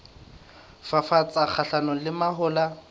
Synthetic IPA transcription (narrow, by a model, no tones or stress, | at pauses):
fafat͡sʼak͡xʰaɬanɔlɪmaɦʊːla